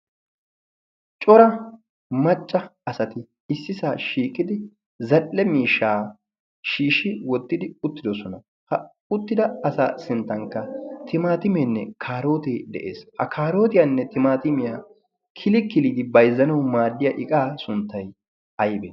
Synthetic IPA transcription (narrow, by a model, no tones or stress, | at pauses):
t͡ʃʼɔɾɐ | mɐt͡ʃʼːɐːsɐt̪ɪ | ɪsːɪsaːʃiːkʼːɪd̪ɪ | zɐlːɛmiːʃːaː | ʃiːʃɪwɔt̪ːɪd̪ɪʊt̪ːɪd̪ɔsɔnɐ | hɐ | ʊt̪ːɪd̪ɐɐsa̰ːsɪnt̪ːɐŋkːɐt̪ɪmaːt̪ɪmeːnːɛ̰kʰaːɾo̞ːt̪eːd̪ɛ̰ʔḛːshɐ̰kʰaːɾo̞ːt̪ɪjanːɛt̪ɪmaːt̪ɪmɪjaː | kʰɪlɪkɪliːd̪ɪbɐjzːɐnɐwmaːd̪ːɪjɐʔɪkʼaːsʊnt̪ːɐj | ɐjbḛː